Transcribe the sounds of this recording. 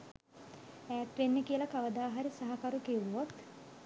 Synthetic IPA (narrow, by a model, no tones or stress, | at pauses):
æːt̪ʋenːekiəlɐkaʋəd̪aːɦaɾisaɦakaɾukeʋuʋot̪